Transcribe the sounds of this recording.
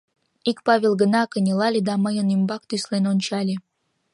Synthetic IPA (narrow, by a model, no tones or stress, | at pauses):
ikpɑβʲelɡənɑkənʲelɑlʲed̪ɑməjənymbɑkt̪yslenonʲt͡ɕɑlʲe